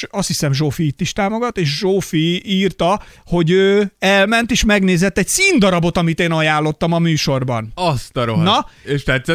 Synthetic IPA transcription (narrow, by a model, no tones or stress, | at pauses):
ɒst̪hisɛmʒoːfiit̪ːiʃt̪aːmo̞ɡɒt̪ːeːʃʒoːfiiːrt̪ɒho̞ɟøːɛlmɛnt̪eːʃmɛɡneːzɛt̪ːɛc̚tsiːnd̪ɒɾɒbo̞t̪ɒmit̪eːnɒjaːlːo̞t̪ːɒmɒmyːʃo̞rbɒ̰nɒst̪ɒɾonɒeʃt̪ɛt̪sɛ